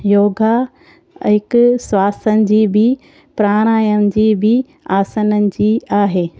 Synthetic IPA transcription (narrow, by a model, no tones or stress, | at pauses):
joːɡa | ɦɪkʊswaːsənɪ̆d͡ʑiːbʱɪ | pɾaːɽ̃aːjənd͡ʑiːbʱɪ | aːsənənɪ̆d͡ʑiːaːɦeː